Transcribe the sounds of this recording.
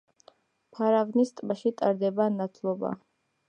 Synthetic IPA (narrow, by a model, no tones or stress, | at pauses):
pʰaɾavnist̪ʼbaʃit̪ʼaɾd̪ɛbanat̪ʰlˠɔba̰